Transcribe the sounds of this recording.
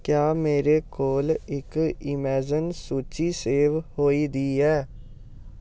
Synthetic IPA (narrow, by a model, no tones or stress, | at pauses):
kjaːmeːɾeːkoːlɪkɪmɛːd͡ʒənsuːt͡ʃiːseːʋhoːiːd̪iːɦɛː